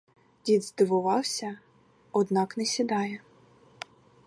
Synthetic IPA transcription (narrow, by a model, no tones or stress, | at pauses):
dʲid̪zd̪ɪʋʊʋɑwsʲɐ | ɔd̪nɑknɛsʲid̪ɑjɛ